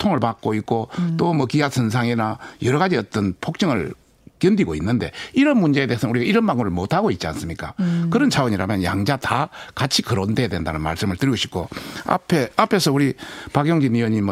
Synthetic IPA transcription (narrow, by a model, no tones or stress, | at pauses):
tʰoŋɯɭpak͈̚oik̚k͈ot͈omʌkiasʰɯnsʰaŋenajʌɾʌɣad͡ʑiʌt͈ʌnpʰok̚t͡ɕ͈ʌŋɯɭ | kjʌndiɡoinːɯnde̞̰iɾʌnmund͡ʑe̞ede̞esʰʌnuɾiɡaiɾʌnmaŋuɾɯɭmotʰaɡoit̚t͡ɕ͈ia̰ns͈ɯmɲik͈akɯɾʌnt͡ɕʰawʌɲiɾa̰mjʌnjaŋd͡ʑatakat͡ɕʰikɯɾondejadwe̞ndanɯnma̰ɭs͈ɯmɯɭtɯɾiɡoɕʰi̥p̚k͈o̰a̰pʰe̞apʰe̞sʰʌuɾipaɡjoŋd͡ʑiniwʌɲim